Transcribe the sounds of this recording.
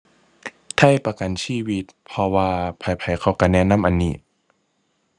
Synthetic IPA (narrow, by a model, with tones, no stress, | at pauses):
t̪ʰa˧˥˩jpa˧ka˨˩nsʰiː˧˩˨wi˧t̪̚pʰɔ˧waː˧pʰa˨˩jpʰa˨˦jkʰa˧˩wka˧˩nɛ˧˥˨na˧˥˨mʔa˧˨niː˨˩t̪̚